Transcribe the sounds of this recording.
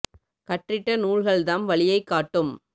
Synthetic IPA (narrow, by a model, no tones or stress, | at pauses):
kɐʈrɪʈːɐnuːɭɣɐɭd̪aːnʋɐɭɪjɐɪkːaːʈːɯm